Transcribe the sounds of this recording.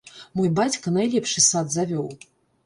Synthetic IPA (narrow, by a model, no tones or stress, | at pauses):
mɔjbat͡sʲkɐnajlʲɛpʂɨsad̪zavʲɔw